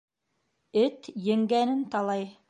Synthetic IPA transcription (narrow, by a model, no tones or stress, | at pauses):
ɘt̪jɘ̆ŋɡænɘnt̪ɑlˠɑj